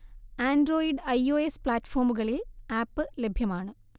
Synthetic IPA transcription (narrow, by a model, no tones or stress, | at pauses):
aːnɖro̞ːjiɖɐjoːespɭaːtːɐ̥fo̞ːrmuɣɐɭilaːpːɨlebʱjɐmaːɳɨ